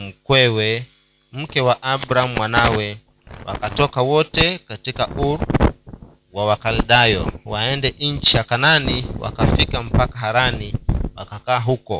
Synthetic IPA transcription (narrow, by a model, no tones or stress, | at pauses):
m̩kwɛwɛ | m̩kɛwaʔabɾam̩mwanawɛ | wa̰katɔkawɔtɛkatikaʔuɾ | wawakalɗajɔ̰waɛndɛʔiɲt͡ʃijakananiwa̰kafikam̩pakaɦaɾaniwakakaːɦukɔ